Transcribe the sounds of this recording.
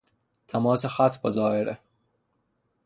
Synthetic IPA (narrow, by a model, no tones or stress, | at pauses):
t̪ʰæmɒːsexæt̪ʰbɒd̪ɒːeɾʔe